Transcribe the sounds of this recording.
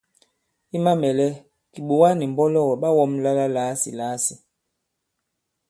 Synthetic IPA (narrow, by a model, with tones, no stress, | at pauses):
i˦ma˦mɛ˨lɛ˦ | ki˨ɓu˨wa˦ni˨m˨bɔ˦lɔ˦˨wɔ˨ɓa˦wɔ˦mla˦la˦laː˨˦sḭ˨laː˨˦si˨